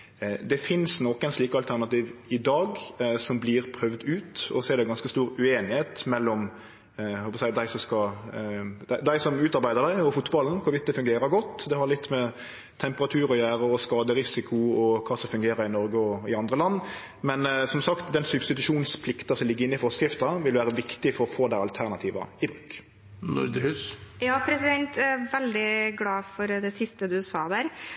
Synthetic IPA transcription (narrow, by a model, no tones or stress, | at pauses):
d̪ɛfɪnsnɔkːɛnsliːkəɑlt̪ʰæɾnɑt̪iːʋɪd̪ɑːɡsɔmblɪɾpʰɾœʋd̪ʉːt̪ɔ̰sɔɛɾd̪ɛɡɑnskəst̪uːɾʉeːnɪheːt̪mɛlːɔm | hɔlpɔsæɪd̪æɪsɔmskɑ | d̪æɪd̪æɪsɔmʉːt̪ɑɾbæɪd̪əɾd̪æɪɔfʊt̪bɑln̩kʰʊɾʋɪt̪̚d̪ɛfʉŋɡeːɾəɾɡɔt̪ːd̪ɛhɑɾlɪt̪ːmɛ | t̪ʰɛmpəʁɑt̪ʰʉːɾɔjæːɾəɔskɑːd̪əɾɪsɪkʰʊɔkʰɑːsɔmfʉŋɡeːɾəɾɪnɔɾɡəɔɪɑnd̪ʁəlɑnː | mɛnsɔmsɑkt̪d̪ɛnsʉbst̪ɪt̪ʉʂuːnspʰlɪkt̪ɑsɔmlɪɡːɾɪnːɪfɔɾskɾɪft̪ɑʋɪlʋæːɾəʋɪkt̪ɪfɔɾɔfoːd̪æɪɑlt̪ʰæʁnɑt̪ʰiːʋɑ̰ɪbʁʉːk | nʊ̰ɾd̪əhʉːsjɑːpʰɾɛsɪd̪ɛnt̪ɛʋɛld̪ɪɡlɑːfɔɾd̪ɛsɪst̪əd̪ʉsɑ̰ːd̪æːɾ